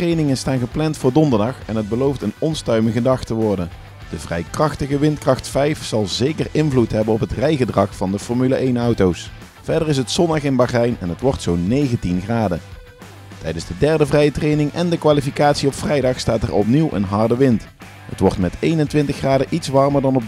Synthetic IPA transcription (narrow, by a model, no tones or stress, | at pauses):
trejnɪŋənstaːnɣəplɛntfʊːɹdɔndəɹdɑχɛnɦəd̚bəlowftənɔnstœɥməɣədɑχtəʋɔɹdən | d̥əvrɛ̰jkrɑxtəɣəʋɪntkrɑxtfɛjfsɑlˠzejkərɪnvlutɦɛbənɔpɦətrɛjɣədrɑxfɑndəfɔɹmylaʔejnʌwtows | fɛɹdərɪs̬ətsɔndɑχɪnbaχɛjnɛnətʋɔrtsownejɣəntinχraːdə | tɛjdənzdədɛɹdəvrɛjətrejnɪŋɛndəkʋaːlifikaːtsiɔpfrɛjdɑχstaːtɛ̰rɔ̰pniwʔə̰nɦɑɹdəʋɪnt | hə̰tʋɔrtmɛtejnəntʋɪntəxraːdəʔitsʋɑɹməɹdɑnɔb̚